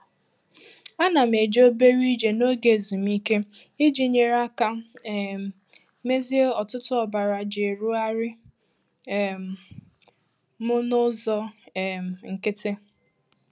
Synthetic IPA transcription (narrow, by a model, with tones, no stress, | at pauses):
a˦na˨m̩e˨d͡ʒo˦be˦ɾi˦d͡ʒe˨no˦ɡe˨zu˨mi˦ke˦ | i˦d͡ʒi˨ɲe˨ɾa˦ka˦˨ | me˦zi˦e˦ɔ˨tʊ˦tʊ˦ɔ˨ba˨ɾa˨d͡ʒɪ˨ɾʊ˦a˦ɾɪ˦˨ | mʊ˦nʊ˦zɔ˦˨m˨ŋ̩˨kɪ˦tɪ˦